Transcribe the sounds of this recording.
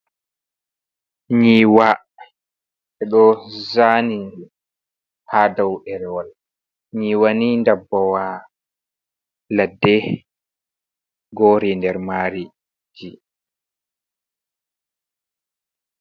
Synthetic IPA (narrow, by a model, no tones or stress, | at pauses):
ɲiwa | ɛɗɔzani | hadawʔɛɾɛwal | ɲiwanindabːɔwa | ladːɛ | ɡɔɾindɛɾmaːɾi | d͡ʒi